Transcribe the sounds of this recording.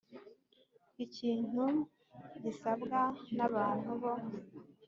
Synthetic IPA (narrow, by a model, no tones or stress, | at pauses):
iciːn̥u | ɟisabɡanaβaːn̥huβo̞